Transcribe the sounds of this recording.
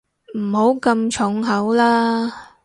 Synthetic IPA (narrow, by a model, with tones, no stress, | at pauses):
m̩˨˩ho˨˥wkɐ˧mt͡ʃʰʊ˨˥ŋɦɐ˨˥wlaː˥